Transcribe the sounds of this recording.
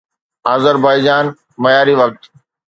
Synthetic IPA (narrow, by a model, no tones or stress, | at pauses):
aːzəɾbaːɪd͡ʒaːn | mɐjaːɾiʋɐk̚t̪